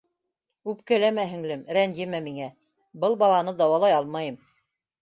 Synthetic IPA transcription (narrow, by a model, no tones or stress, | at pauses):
ʉp̚kælæmæɦɘ̆ŋlɘmɾænd̪jɘmæmiŋæ | bɤlˠbɑlˠɑnɤd̪ɑwɑlˠɑjɑlˠmɑjɤm